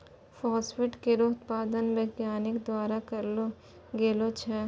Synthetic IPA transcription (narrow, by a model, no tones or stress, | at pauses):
fɔːswɪʈkeɾoːt̪paːd̪ənʋeːɡjaːnɪkd̪waːɾakɐɾlo | ɡeːlot͡ʃʰɛ